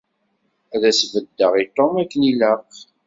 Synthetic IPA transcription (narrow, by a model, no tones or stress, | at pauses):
æðæsvəd̪ːəʁit̪ˤomækːəniləq